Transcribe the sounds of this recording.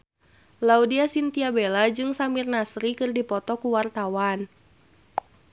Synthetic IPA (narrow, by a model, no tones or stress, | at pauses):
laudiasint̪iabelad͡ʒɨŋsamirnasɾikɨrdipɔt̪ɔkuwart̪awan